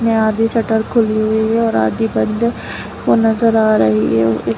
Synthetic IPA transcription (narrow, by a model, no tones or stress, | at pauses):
mẽaːd̪isɐʈəɾkʰʊliɦʊiɦɛɔːɾa̰ːd̪ibɐ̃nd̪ | ɦonɐzəɾaːɾɐɦiɦɛ̰